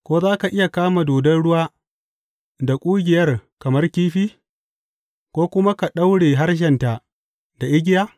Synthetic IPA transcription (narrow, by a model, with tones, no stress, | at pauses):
kʷoː˦zaː˦ka˨ʔɪ˦ja˨kaː˦ma˨doː˨dɐ˦nɽʊ˦waː˦ | da˨kʷʼʊː˦ɡʲɪ˨jɐ˦rkɐ˨mɐ˦rkʲiː˦ɸiː˦ | kʷoː˦kʷʊ˦ma˦ka˨ɗa˦wɽeː˨ɦa˦rʃ̬ɛ˨nta˨ | da˨ʔɪ˦ɡʲɪ˦jaː˦